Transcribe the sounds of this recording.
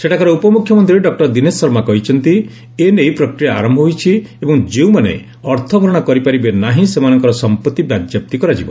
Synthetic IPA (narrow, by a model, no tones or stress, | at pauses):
seʈakaɾɔupɔmukʰjɔmɔnt̪ɾiɾeɖɔk̚ʈɔɾd̪inesːɔɾmakɔɦit͡ʃʰɔnt̪i | enejpɾɔkɾijaaɾɔmbʱɔɦojt͡ʃʰiebɔŋd͡ʒeũmanḛ | ɔɾt̪ʰɔbʱɔɾɔɽ̃ɔkɔɾipaɾibenaɦĩsemanɔŋkɔɾɔsɔmpɔt̪ːibjad̪jap̚t̪ikɔɾad͡ʒibɔ